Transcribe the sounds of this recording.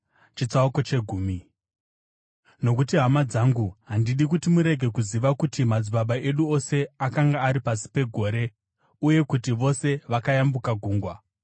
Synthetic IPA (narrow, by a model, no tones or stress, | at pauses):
t͡ʃit͡sauko̞t͡ʃe̞ɡʱuːmi | no̞kutiɦamad͡zaŋɡuɦandiɗikutimuɾe̞ɡʱe̞kuziʋakutimad͡ziɓaɓaʔe̞ɗuo̞se̞akaŋɡaːɾipasi̥pe̞ɡʱo̞ːɾe̞ | uje̞kutiʋo̞se̞ʋakajambukaɡʱuːŋɡwa